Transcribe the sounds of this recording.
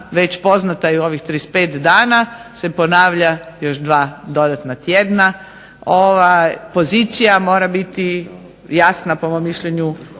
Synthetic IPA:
ʋet͡ɕpo̞znat̪aeo̞ʋixt̪ɾispeːt̪d̪aːnase̞po̞naːʋʎajo̞ʃd̪ʋaːd̪o̞d̪at̪nat̪jed̪na | o̞ʋapo̞ziːt̪sijamo̞ːɾabit̪i | jasnapomomːiʃʎeɲu

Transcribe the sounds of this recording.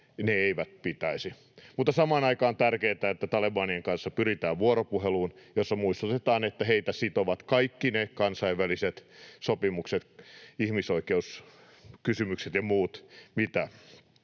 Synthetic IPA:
neeiʋæt̪̚pit̪æisi | mut̪ːɑsɑmɑːnɑikɑːnt̪ærkeːt̪æet̪ːæt̪ɑlebɑːnieŋkɑnsːɑpyrit̪æːʋʋuoropuheluːnjosːɑmuist̪ut̪et̪ɑːnet̪ːæheit̪æsit̪oʋɑt̪kɑikːinekɑnsɑiʋʋæliset̪sopimukset̪ihmisoikeus | kysymykset̪jɑmuːt̪mit̪æ

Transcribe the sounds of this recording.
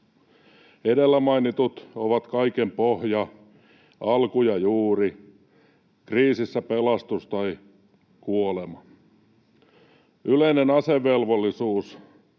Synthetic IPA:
edelːæmɑjnit̪ut̪oʋɑt̪kɑikempohjɑ | ɑlkujɑjuːri | kriːsisːæpelɑst̪ust̪ɑi | kuolemɑ | yleinenɑseʋːelʋolːisuːs

